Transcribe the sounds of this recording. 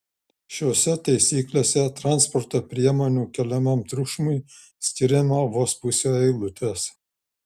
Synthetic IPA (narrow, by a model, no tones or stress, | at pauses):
ʃʲoːsʲɛt̪ɐɪsʲiːklʲeːsʲɛt̪ɾɑnspɔɾt̪oːpʲɾʲiɛmoːnʲuːkʲɛlʲɛmɐmt̪ɾʊʃmʊɪ | sʲkʲɪɾʲɪmɑʋoːspʊsʲoːɛɪlˠʊt̪ʲes